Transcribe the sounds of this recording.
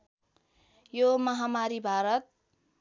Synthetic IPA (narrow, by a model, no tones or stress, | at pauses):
jomʌɦamaɾibʱaɾʌt̪̚